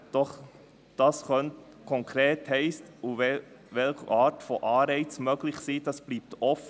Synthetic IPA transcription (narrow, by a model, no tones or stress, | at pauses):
d̥ɔχ | d̥ɑːsχœnt | kʰɔŋkʰɾeːthɛɪstuɛ | ʋɛlχəʔɑːtfɔʔɑːɾɛɪt͡smøːɡlɪχsiːd̥ɑsb̥liːp̚tɔfə